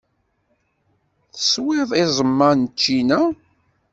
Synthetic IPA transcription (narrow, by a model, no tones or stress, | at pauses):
θəswɪðˤizˤəmːɑnt͡ʃːinæ